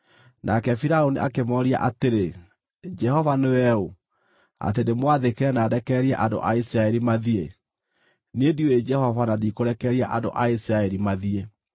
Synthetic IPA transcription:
nʔakɛfiɾaoniʔakemɔɾia̰ʔateɾe | d͡ʒɛhɔvanewɛo | a̰t̬endemwaðekɛɛnaːdɛkɛːɾiɛʔando̰ʔaisiɾaɛɾimaðie | nedioed͡ʒɛhɔvanadikoɾɛkɛɾiaʔado̰ʔaisiɾaɛɾimaðie

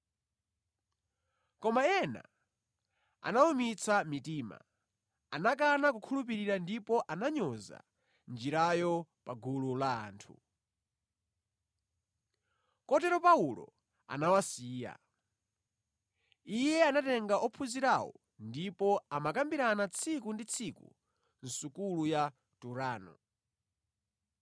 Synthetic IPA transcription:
kɔmaɛna̰ | a̰naumit͡sʰamitiːma̰ | anak̬anak̬ukʰulup̬iɾiɾandipɔʔanaɲɔza̰ | nd͡ʒiɾajɔpaɡulula̰ːntʰu | kɔtɛɾɔpaulɔ̰ | a̰nawasiːja̰ | ijɛanatɛŋɡaʔɔpʰuziɾawɔ̰ | ndipɔamakambiɾanat͡sʰikundit͡sʰikṵ | n̩sukuluja | tuɾaːnɔ̰

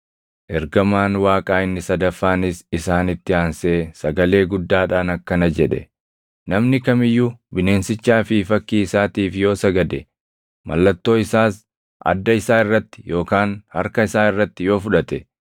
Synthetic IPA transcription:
ʔɛɾɡɐmaːnwaːkʼaːɪnːɪsɐd̪ɐfːaːnɪsɪsaːnɪt̪ːɪaːnseːsɐɡɐle̞ːɡʊd̪ːaːᶑaːnɐkːɐnɐd͡ʒɛᶑɛ̰ | nɐmnɪkɐmɪjːʊbɪne̞ːnsɪt͡ʃːaːfɪfɐkːiːɪsaːt̪iːfjo̞ːsɐɡɐd̪ɛ | mɐ̰lːɐt̪ːo̞ːɪsaːs | ʔɐ̰d̪ːɐɪsaːɪrːɐt̪ːɪ̥jo̞ːkaːnhɐɾkɐɪsaːɪrːɐt̪ːɪjo̞ːfʊᶑɐt̪ɛ

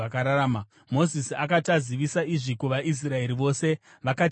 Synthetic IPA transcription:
akaɾaɾaːma | mo̞zisiakataziʋisaiʐikuʋaʔis̬rae̞ɾiʋo̞se̞ | ʋaka

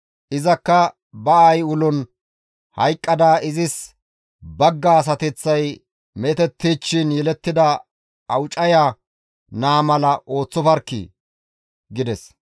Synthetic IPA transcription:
ʔɪzɐkːɐ | bɐajʊlʊn | hɐjkʼːɐd̪aːɪzɪs | bɐɡːaːs̬ɐt̪ɪt͡sːɐj | met̪ɛt̪ːiːt͡ʃːɪnjɛlɛt̪ːɪd̪ɐ | ɐwʊt͡ʃʼɐja | naːmɐlɐʔo̞ːt͡sːɔfɐɾkːḭ | ɡɪd̪ɛs

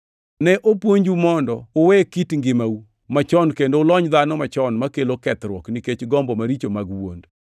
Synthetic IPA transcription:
nɛʔopwoɲd͡ʒumɔndɔːwɛkitŋɡɪmau | mat͡ʃɔnkendoʊlɔɲd̪anɔmat͡ʃɔnmakelokɛt̪ɾwɔkniket͡ʃɡɔmbɔmaɾit͡ʃomaɡwo̰nd

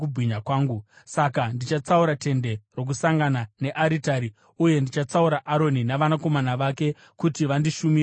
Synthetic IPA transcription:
kubʱiɲakwaːŋɡu | sakandit͡ʃat͡sauɾate̞nde̞ro̞k̬usaŋɡanane̞ʔaɾitaɾi | uje̞ndit͡ʃat͡sauɾaʔaɾo̞ninaʋanako̞manaʋake̞ | kutiʋandiʃumi

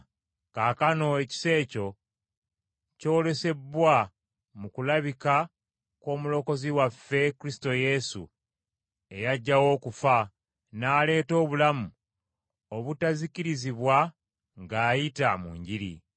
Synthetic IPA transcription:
kaːkano̞eci̥se̞ːco̞ | co̞ːle̞se̞bwa | mukulaβika | ko̞ːmulo̞ko̞ziwafːe̞kuɾisi̥to̞je̞sṵ | e̞jaɟːawo̞ːkufa | naːle̞ːto̞ːβulamu | o̞βutaziciɾiziβwa | ŋɡaːjitamṵːɲɟiɾḭ

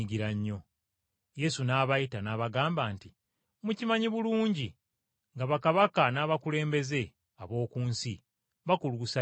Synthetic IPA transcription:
ɡiɾaɲːo̞ | je̞sunaːβajitanaːβaɡaːmbaːnti | mucimaɲiβuluːɲɟi | ŋɡaβakaβakanaːβakule̞ːmbe̞ze̞ | aβo̞ːkuːnsi | βakuluːsa

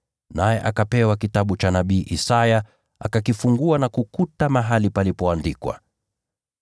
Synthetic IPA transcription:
najɛʔakapɛwakitaɓut͡ʃanaɓiːʔisaja | a̰kakifuŋɡuanakukutamaɦalipalipɔandikwa̰

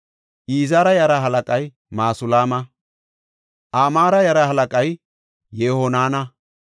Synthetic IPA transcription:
ʔiːzaːɾɐjɐɾɐɦɐlɐkʼɐj | maːsʊlaːmɐ | ʔaːmaːɾɐjɐɾɐhɐlɐkʼɐj | jehɔnaːnɐ

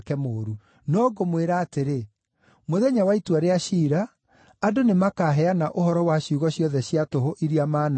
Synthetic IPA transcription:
kɛmoːɾu | nɔɡomweɾaːteɾe | moðɛɲawaitwaɾeaʃiːɾaː | donemakaɦɛanaʔoɦɔɾɔwaɕiuɣɔɕjɔðɛɕiatoɦoʔiɾiamaːna

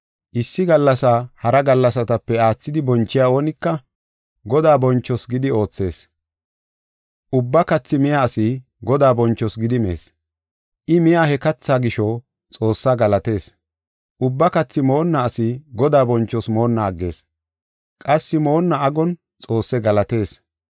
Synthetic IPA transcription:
ʔɪsːɪɡɐlːɐsaːhɐɾɐɡɐlːɐsɐt̪ɐpːɛaːt͡sːɪd̪ɪbɔnt͡ʃːɪjaːo̞ːnɪkːɐ | ɡɔd̪aːbɔnt͡ʃːɔsɡɪd̪ɪo̞ːt͡sːe̞ːs | ʔʊbːɐkɐt͡sːɪmɪjaːsɪ | ɡɔd̪aːbɔnt͡ʃːɔsɡɪd̪ɪme̞̰ːs | ʔɪmɪjaːhɛkɐt͡sːaːɡɪʃɔ | t͡sʼo̞ːsːaːɡɐlɐt̪e̞ːs | ʔʊbːɐkɐt͡sːɪmo̞ːnːɐːsɪɡɔd̪aːbɔnt͡ʃːɔsmo̞ːnːɐːɡːe̞ːs | kʼɐsːɪmo̞ːnːɐɐɡɔn | t͡sʼo̞ːsːɛɡɐlɐt̪e̞ːs

